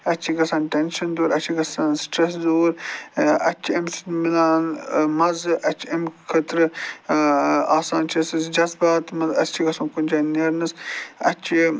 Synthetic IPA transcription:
ɐt͡ʃʰiɡɐsaːnʈenʃɐnd̪oːɾɐt͡ʃʰiɡɐsaːnsʈɾesd̪oːɾɐ̰t͡ʃʰiɐmsmilaːnmɐzʔɐt͡ʃʰiɐmkʰɐt̪ɾɨ | aːsaːnt͡ʃʰiɐsisd͡ʒɐzbaːt̪mɐzɐt͡ʃʰiɡɐsũːkunʲd͡ʒaːnɐɾnɐsɐ̰t͡ʃʰi

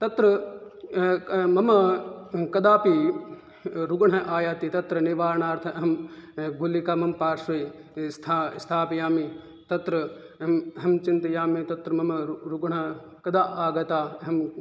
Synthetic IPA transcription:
t̪ɐt̪ɾɐ | mɐmɐkɐd̪aːpi | ɾuɡɐɳ̤ɐʔaːjaːt̪it̪ɐt̪ɾɐniʋaːɾɳaːɾt̪ʰɐɐɦɐmɡʱulikamɐmpaːɾʃɐjst̪ʰast̪ʰaːpjaːmi | t̪ɐt̪ɾɐ | ɐɦɐmt͡ʃint̪ɐjaːmit̪ɐt̪ɾɐmɐmɐɾuɡɐɳɐ | kɐd̪aːʔaːɡɐt̪aːɐɦɐm

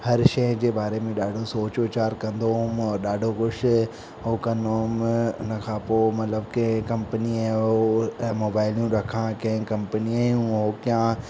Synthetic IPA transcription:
hɐɾʃɐɦd͡ʑeːbaːɾemẽɗaːɖʱosoːt͡ɕʋɪt͡ɕaːɾkɐ̃nd̪oɦʊmɔːɾɗaːɖʱokʊʃʰ | ɦoːkɐ̃nd̪oɦʊmʊ̰nəkʰãːpoːmɐt̪ləbkekɐ̃mpəniaɦomoːbaːɪljũɾɐkʰãkɐ̃ɦɪ̃kɐ̃mpəniaːjũɦoːkjã

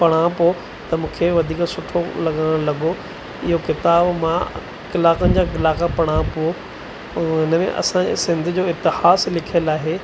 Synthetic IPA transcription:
pɐɽ̃ãpo | t̪ɐmũːkʰeʋɐd̪ʱiːksʊʈʰolɐɠəɽ̃ɽ̃lɐɠo | ɪɦokɪt̪aːbmã | kɪlaːkənɪ̆d͡ʑaːkɪlaːkapɐɽ̃ãpo | ʊnəmḛ̃ʔɐ̰sãḛsɪ̃nd̪ʱʊd͡ʑoːɪt̪ɪhaːslɪkʰəlaːɦe

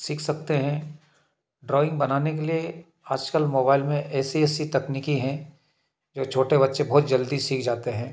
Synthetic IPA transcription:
siːkʰsɐk̚t̪eɦɛ̃ | ɖɾɔːɪ̃ŋɡbɐnaːnek̬elie | aːd͡ʒkəlmoːbaːɪlmẽʔɛːsiɛːsit̪ɐkniːkiɦɛ̃ | d͡ʒoːt͡ʃʰoːʈebɐtːʃebɔɦːt̪d͡ʒɐld̪isiːkʰd͡ʒaːt̪eɦɛ̃ː

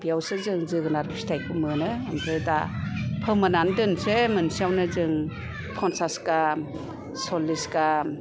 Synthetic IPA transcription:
biawsɯzɯŋzɯɡɯnaɾisi̥tʰajkʰɯmɯnɯːmpʰɯdapʰɯmanandɯnsemɯnsiawnɯzɯŋ | pʰɔnsaska | sɔlːiska

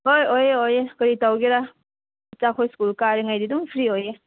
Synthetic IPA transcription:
ɦojojeojekɯɾitawɡiɾa | t͡ʃakʰojskulkaɾiŋajdiduŋpʰɾioje

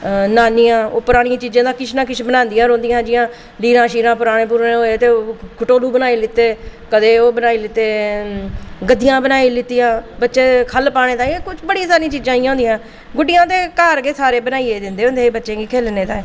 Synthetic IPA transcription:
naːniːãːoːpʊɾaːɽ̃ĩãːt͡ʃiːd͡ʒãːd̪aːkɪt͡ʃʰnãːkɪt͡ʃʰbənãːnd̪ijãːɾõːnd̪ɪjãːd͡ʒɪjãː | liːɾãːʃiːɾãːpʊɾaːɽeːp̬ʊːɾẽɦoːeːt̪eːoːkʰʊʈoːluːbənaːiːlɪt̪ːeːkəd̪eːoːbənaːiːlɪt̪ːeː | ɡəd̪ijãːbənaːiːlɪt̪ːiːãːbətːʃeːkʰəlpaːɽ̃eːt̪ãːekʊt͡ʃʰbəɽiːsaːɾĩːt͡ʃiːd͡ʒãːiːãʊ̃ːnd̪ijãː | ɡʊɖɪjãːd̪eːkaːɾɡeːsaːɾeːbənaːieːd̪ɪnd̪eːõnd̪eːbətːʃẽːɡiːkʰeːlneːt̪ãː

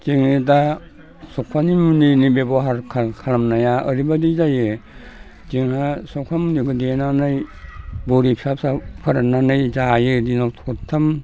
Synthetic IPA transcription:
t͡ʃeŋnida | sɔkʰanimuninibebɔɦaɾkʰakʰaɾamnajaʔəɾibadizaje | d͡ʒiŋhasɔkʰamuniɡɯdenanɯjboɾipʰisap̚sapʰaɾananɯjzajɯdinawtʰɔ̥ɔtʰːam

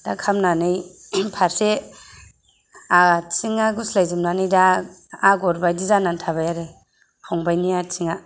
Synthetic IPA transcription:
d̥akʰamnanɯj | pʰaɾse | asiŋaɡuslajzɯmnanɯjdaː | ɡɔɾbajdizanantʰaβajaɾe | hawŋbajniat͡ʃʰiŋa

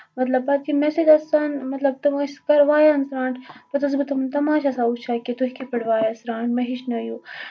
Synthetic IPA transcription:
mɐt̪lɐb̚pɐt̪̚kimesed͡ʒ̪ɐsaːnmɐt̪lɐb̚t̪ɨmɐʃkɐɾʋaːjansɾãːɳʈpɐt̪ɐs̬bɨt̪ɐmnt̪ɐmaːʃasaːut͡ʃʰaːket̪uɦkipɐɽʋaːjasɾaːɳʈmɐɦiʃnɐju

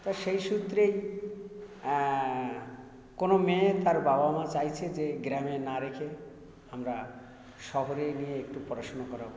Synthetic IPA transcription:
t̪aʃejʃut̪ːɾej | konomẽt̪aɾbabamãt͡ɕajt͡ɕʰed͡ʑeɡɾamenaɾekʰe | amɾa | ʃɔɦoɾenijeek̚ʈupɔɾaʃonokɔɾa

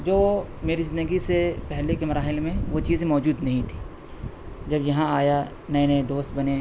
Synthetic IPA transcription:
d͡ʒoː | meːɾizɪ̃nd̪əɡisepɛɦlekemɐɾaːɦɪlmẽʋot͡ʃiːzẽmɔːd͡ʒuːd̪nɐɦĩt̪ʰi̥ː | d͡ʒɐbjɐɦãaːja | nɐ̃nə̃d̪oːst̪̚bɐne

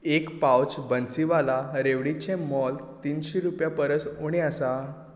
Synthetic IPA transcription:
ekpawt͡ɕbənt͡siʋalaɾeʋɽit͡ɕẽmɔlt̪iːnɕiɾupjapəɾəsoɽ̃easa

